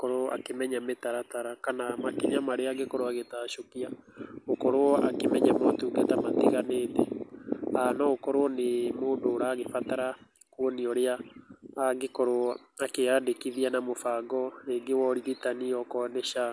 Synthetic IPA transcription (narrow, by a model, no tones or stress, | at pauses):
kɔɾoa̰kemɛɲametaɾataɾakanamakeɲamaɾeaɡekɔɾoaɣetaːʃokiaokɔɾoɔa̰kemɛɲamɔtuːɡetamatiɣaneːtɛ | anɔokɔɾoɔnemoːndoːɾaːɣefataɾa | kuɔniɔɾeaː | ɡekɔɾo | akeadekiðianamofaːɡɔeɡewɔɾiɣitaniɔkɔːnɛʃa